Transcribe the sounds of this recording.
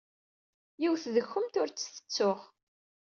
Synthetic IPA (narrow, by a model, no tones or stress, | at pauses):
jiwθðəxːʊmt̪ʊɾt͡sːθə̥t͡sːʊʁ